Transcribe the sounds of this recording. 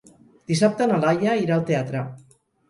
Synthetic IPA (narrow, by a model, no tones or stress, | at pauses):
d̪̥is̬ap̚t̪analajaiɾalt̪eat̪ɾa